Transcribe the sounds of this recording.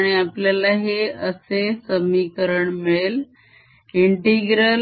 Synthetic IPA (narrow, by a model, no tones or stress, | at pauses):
ɽ̃iapljalaɦeəsesəmikəɾəɳmɭel | iɳʈiɡɾəl